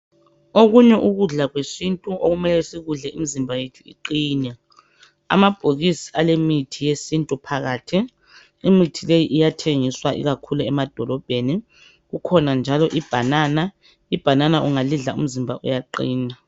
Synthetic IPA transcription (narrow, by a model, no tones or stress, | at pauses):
oɣuɲɛʔuɣuɮaɣwesintʼuʔoɣumɛlɛsiɣuɮɛimizimbʱajetʰuḭǃiːnɛ | a̰mab̥ʱoɣisi̥alemitʰijesintʼupʰaɣaːtʰiː | mitʰilejiʔijatʰeŋiswaʔḭɣakʰuluɛmad̥ʱɔlɔb̥ʱeni | ɣukʰɔnand͡ʒʱalɔʔib̥ʱanaːna | ib̥ʱananaʔuŋaliɮaṵm̩zimbʱaʔujaǃḭːna